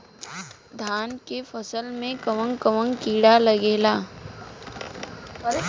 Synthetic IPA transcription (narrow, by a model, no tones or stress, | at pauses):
d̪ʱaːnkefɐsəlmẽkəʋə̃ŋkəʋə̃ŋkiːɽalɐɡeːlaː